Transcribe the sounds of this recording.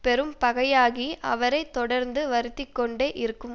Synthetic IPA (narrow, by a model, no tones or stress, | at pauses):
pɛɾɯmpɐɣɐjaːɣiʔɐʋɐɾɐɪt̪ːɔɽɐɾnd̪ɯʋɐɾɯt̪ːɪkːɔɳɖeːʔɪɾɯkːɯm